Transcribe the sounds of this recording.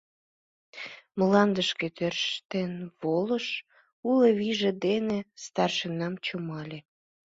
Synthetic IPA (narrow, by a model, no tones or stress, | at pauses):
məlɑnd̪əʃket̪ørʃt̪enβoləʃ | uleβiʒĕd̪enest̪ɑrʃənɑmt͡ɕumɑlʲe